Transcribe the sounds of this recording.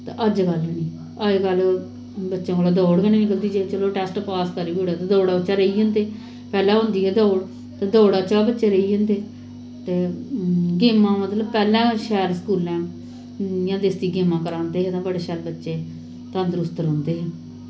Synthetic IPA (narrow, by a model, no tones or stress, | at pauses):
t̪ḛ̃ʔəd͡ʒɡəlniː | əɡəl | bətːʃãːkoːlaːd̪oːɽɡəñeːnɪkəld̪iːd͡ʒeːt͡ʃəloːʈɛːsʈpaːskəɾiːiːoːɽaːt̪ãːd̪oːɽaːbət͡ʃaːɾəiːɦə̃nd̪eː | pɛːlɛ̃ːɦʊ̃nd̪iːɦɛːd̪oːɽ | t̪ẽːd̪oːɽat͡ʃaːbətːʃeːɾəiːd͡ʒə̃nd̪eː | t̪eː | ɡeːmːãːmət̪ləbpɛːlɛ̃ːʃɛːɾskuːlɛ̃ː | jãːd̪eːst̪iːɡɪːmãːkəɾaːnd̪eːɦɛːt̪ãːbəɽeːʃɛːɾbətːʃeː | t̪ə̃nd̪əɾʊst̪əɾɦʊ̃ːnd̪eːɦɛ̃ː